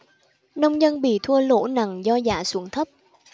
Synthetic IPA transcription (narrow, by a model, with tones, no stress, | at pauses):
nə˧wŋ͡mɲə˧nɓḭ˧˨t̪ʰu˧əlo̰˧˥na˨˩ŋzɔ˧za̰ː˧˩˦su˧˩əŋt̪ʰə˦˥p̚